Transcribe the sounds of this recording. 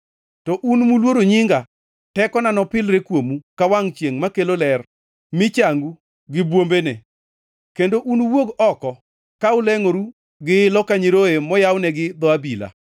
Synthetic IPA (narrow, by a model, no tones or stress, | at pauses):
tɔʔunmulwoɾoɲɪŋɡa | tɛkɔnanɔpɪlɾekwomukawaŋt͡ʃjeŋmakelolɛr | mɪt͡ʃaŋɡu | ɡɪbwombene | kendoʔunwoɡɔkɔ | kaʊlɛŋoɾu | ɡɪɪlɔkaɲiɾoemɔjawnɛɡɪd̪ɔabila̰